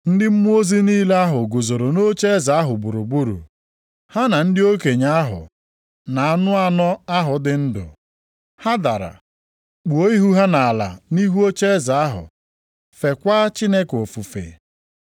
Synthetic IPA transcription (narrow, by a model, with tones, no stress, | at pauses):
n̩˦dɪ˦m̩˦mu˦o˦zi˦niː˦le˦a˦ɦʊ˨ɡʊ˨zo˨ɾo˨no˦t͡ʃe˦za˨a˦ɦʊ˨bu˨ɾʊ˨bu˦ɾṵ˨ | ha˦na˨n̩˦dɪ˦o˦ke˨ɲa˦a˦ɦʊ̰˨ | na˨a˨nʊ˦a˦nɔ˦a˦ɦʊ˨dɪ˨n̩˦dʊ̰˨ | ha˦da˨ɾa̰˨ | k͡pu˨o˦i˦ɦu˦ɦa˦na˨a˨la̰˨ni˦ɦu˦o˦t͡ʃe˦za˨a˦ɦʊ̰˨ | fe˨kʷa˦t͡ʃi˦ne˦ko˨fu˨fḛ˨